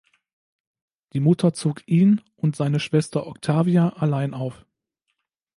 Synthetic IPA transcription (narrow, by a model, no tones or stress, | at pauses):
d̥iːmʊtʰɐt͡soːkʔiːn | ʊntz̥aɪnəʃv̥ɛstɐʔɔktʰaːviaʔalaɪnaʊf